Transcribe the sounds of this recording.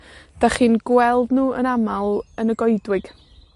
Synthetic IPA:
d̥aχiːnɡwɛlˠdnuːʔə̰namalˠənəɡɔɨdwɪɡ̥

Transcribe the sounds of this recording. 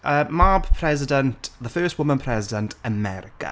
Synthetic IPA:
əmabpʰɹ̥ɛzɪdə̃ntðəfɜːˑst̚wʊmə̃npʰɹ̥ɛzɪdə̃ntʰəmɛɾɪkə̰

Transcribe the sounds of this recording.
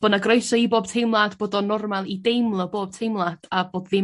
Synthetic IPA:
b̥ənaɡroɨsɔiboːb̥̚tʰejmlˠadboːdɔnɔrmalˠidejmlˠɔboːb̥̚tʰejmlˠadaboːdðɪ

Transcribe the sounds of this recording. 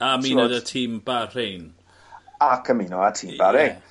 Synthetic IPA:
amiːnədətʰiːmbaren | akʰəmiːnɔatʰiːmbaɾen

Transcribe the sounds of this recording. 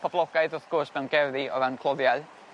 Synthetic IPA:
pʰablˠɔɡ̥aɨðɔθɡʰɔrsmɛwnɡɛvðiɔ̰ðankʰlˠɔðjal

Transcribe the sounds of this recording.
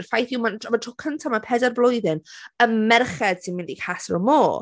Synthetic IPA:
rfajθɪwmanʰmatʰrɔkʰəntʰamapʰɛdarblˠʊjðɪnənmɛrχɛd̥sinmɪndikʰasrɔ̰moː

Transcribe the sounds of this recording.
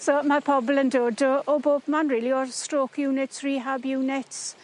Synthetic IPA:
soːmarpʰɔblˠəndoːdɔɔboːbmanriːliɔstroːkʰjuːnɪtsriːɦabjuːnɪts

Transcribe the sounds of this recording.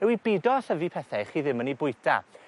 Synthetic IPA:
ɛwibɪdɔθəvipʰɛθaχiːðɪmənibʊɨtʰa̰

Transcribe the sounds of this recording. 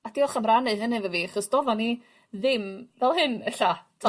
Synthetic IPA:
ad̥iɔχamranɨðənevəviaχɔsd̥ɔvɔni | ðɪmvɛlˠhɨnɛɬatʰ

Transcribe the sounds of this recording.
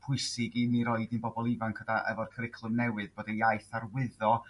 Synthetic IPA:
pʰʊɨsɪɡiniɾɔɨdɪnbɔbɔlˠivankʰədaʔə̰vɔrkʰəɾɪkʰlˠʊnɛwɨðb̥oːdeajθarwɪðɔ

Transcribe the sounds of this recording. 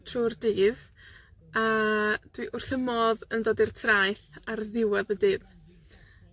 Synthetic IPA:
tʰruːrdiːð | ad̥wiʔʊrθəmɔðəndoːdir̥tʰrajθarðɪwaðədɨːd

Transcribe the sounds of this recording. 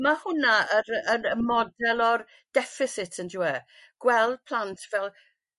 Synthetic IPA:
mahʊnaəɾənəmɔdɛlˠɔr | d̥ɛfɪθɪtʰənduɛ | ɡ̥wɛlˠd̥̚pʰl̥ˠantʰvɛlˠ

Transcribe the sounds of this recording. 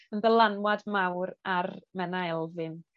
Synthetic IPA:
ənbəlˠanwadmawɾarmɛnaɛlˠvɨn

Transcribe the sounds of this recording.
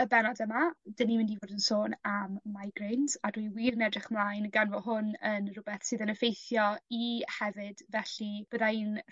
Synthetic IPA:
əbɛnɔdəmad̥ənimɪ̃ndivoːrdənsoːnamːajɡrejnzadwiwiːɾənɛdrɪχmlˠajnɡanvɔɦʊnənrʊbɛθsɨːðənəfejθjɔihɛvɨdvɛɬib̥əðain

